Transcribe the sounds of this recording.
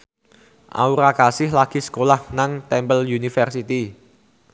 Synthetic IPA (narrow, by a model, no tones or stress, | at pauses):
ʔa̰uɾakasɪhlaɡ̥i̤sə̥kolahnaŋt̪ɛmbəljunifərsit̪i